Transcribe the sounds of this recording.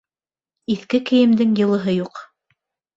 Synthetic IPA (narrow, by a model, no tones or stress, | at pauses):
iθkɘkɘ̆jɘ̆md̪ɘŋjɤ̆lˠɤ̆ɦɤjuq